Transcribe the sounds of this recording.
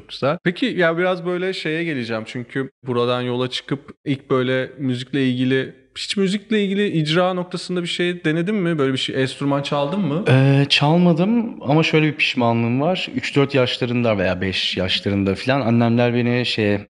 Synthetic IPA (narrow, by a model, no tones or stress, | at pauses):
y̥zapʰecʰijabiɾazbø̞jlʲɛʃe̞jɛɟe̞lʲid͡ʒæmt͡ʃʰyɲcʰybuɾad̪anjo̞lˠat͡ʃʰɯ̥kʰɯpilʲc̚bø̞jlʲɛmyzicʲlʲɛilʲɟilʲɪ | hi̥t͡ʃmyziclʲɛilʲɟʲilʲiʔid͡ʒɾaːno̞k̚t̪ʰasɯnd̪abiʃejd̪e̞ned̪imːɪbø̞jlʲebiʃejɛst̪ʰyɾmant͡ʃʰalˠd̪ɯmːɯɛːt͡ʃʰalˠmad̪ɯmamaʃøjlʲɛbipʰi̥ʃmanlˠɯmvaɾ̥yt͡ʃd̪øɾt̪jaʃlˠaɾɯnd̪ave̞̰ja̰ːbɛʃjaʃlˠaɾɯnd̪afilʲananːʲæmlʲæɾbeniʃej